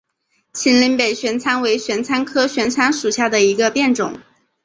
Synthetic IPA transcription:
t͡ɕʰi˧˥nli˧˥npe˨˩ɪɕɥɛ˧˥nt͡sʰa˥nwe˧˥ɪɕɥɛ˧˥nt͡sʰa˥nkʰɤ˥ɕɥɛ˧˥nt͡sʰa˥nʂu˨˩ɕja˥˩d̪ə˩i˧˥ɡə˧pjɛ˥˩nʈ͡ʂʊ̰˨˩˦ŋ

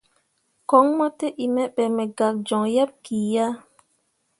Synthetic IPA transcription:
kɔ˨˦ŋmɔ˦te˦ʔi˨mɛ˦ɓɛ˨mɛ˨ɡa˨k̚d͡ʒɔ̃˨ja˦p̚ki˨ja˦

